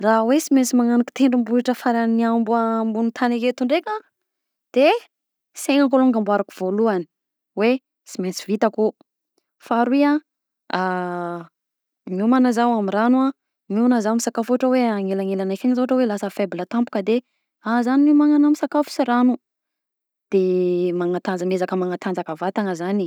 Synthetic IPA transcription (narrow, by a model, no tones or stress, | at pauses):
raɦwesiment͡simaŋaniki̥t̪eɳɖ͡ʐimbuliʈ͡ʂəfaɾaniambuambunit̪ʰaneket̪uɳɖ͡ʐekʲa | d̪̥e | seŋaŋkoloŋɡambwaɾakuv̥oluani̥ | we | siment͡sivit̪aku | faɾwia | a | miumanazawamiranua | miunazamisakafuaʈ͡ʂəweaŋelaŋelanakaɲizoɦaʈ͡ʂəwelasəfeblət̪ampu̥kəd̪e | azaninimaŋanamisakafu̥siɾanu | d̪̥emaŋat̪and͡zəmezakəmaŋat̪and͡zakəvat̪aŋəzani